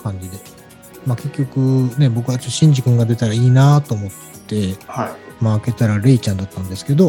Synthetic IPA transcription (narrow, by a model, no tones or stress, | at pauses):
kãɲ̟d͡ʑid̪e̞ | make̞kʲːo̞kɯ̟ne̞bo̞kɯ̟βat͡ɕo̞tːoɕĩɲ̟d͡ʑikɯ̟̃ŋɡad̪e̞t̪aɾaiːnat̪o̞ːmo̞t̪ːe̞hamaːke̞t̪aɾaɾe̞it͡ɕãnd̪at̪ːãnd̪e̞sɨ̥ke̞d̪o̞